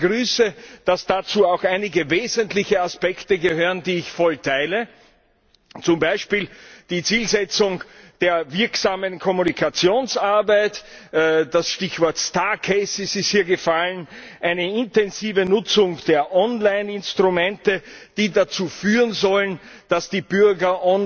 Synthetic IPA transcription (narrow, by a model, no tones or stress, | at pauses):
ɡ̥ʁyːsəd̥asd̥at͡suːaʊxaɪnɪɡəveːzəntlɪçəaspɛktəɡəhøːʁəndiːɪçfɔltʰaɪlə | t͡sʊmbaɪʃpiːld̥iːt͡siːlzɛt͡sʊŋd̥eːɐvɪɐksaːmənkʰɔmunikʰat͡sjoːnsaɐbaɪtː | d̥asʃtɪçv̥ɔɐtstaːkʰeɪsɪsɪsthiːɐɡəfalən | ʔaɪnəɪntɛnziːvənʊt͡sʊŋd̥eːɐʔɔnlaɪnɪnstʁ̥umɛ̃ntəd̥iːdat͡suːfyːʁənzɔlən | d̥asd̥iːbyɐɡɐʔɔn